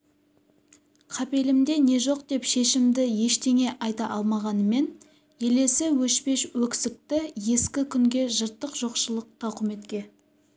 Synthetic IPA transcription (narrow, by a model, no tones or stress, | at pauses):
qʰɑpe̞lɪmd̪e̞ne̞ʒo̞qd̪e̞pʃe̞ʃɪmd̪ɪje̞ʃt̪ʰe̞ŋe̞ʔɑjt̪ɑʔɑlˠmɑʁɑnəme̞n | je̞le̞sɪwɵʃpe̞ʃwɵkʲsɪk̚t̪ɪje̞skʲɪkʲʰʏŋɡʲe̞ʒəɾt̪ːəqʒ̥o̞qʃəlˠəq̚t̪ʰɑqʰʏme̞t̪kʲe̞